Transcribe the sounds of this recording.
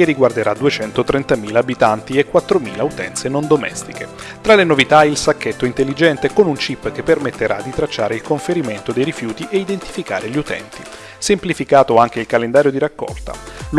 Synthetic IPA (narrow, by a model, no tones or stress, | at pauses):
keriɡward̪eɾad̪uet͡ʃɛnt̪ot̪ɾent̪amiːlaːbit̪ant̪iekːwat̪ːɾomiːlaut̪ɛ̰nt̪senond̪omɛ̰st̪ike | t̪ɾalenovit̪ailsakːet̪ːoint̪elːid͡ʒɛnt̪ekonunt͡ʃipːk̟epːermet̪ːeɾʔad̪ːit̪ɾat͡ʃːaːɾeilkoɱfeɾiment̪od̪ejɾifjuːt̪iʔeid̪ent̪i̥fika̰ːɾeʎiut̪ɛ̰nt̪i | semplifikaːt̪oaŋk̟eilkalend̪aːɾjod̪iɾakːɔ̰lt̪a̰